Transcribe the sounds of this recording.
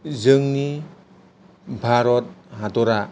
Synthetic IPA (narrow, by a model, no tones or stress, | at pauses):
zɯŋni | bʱaɾɔt̚ɦatɔɾa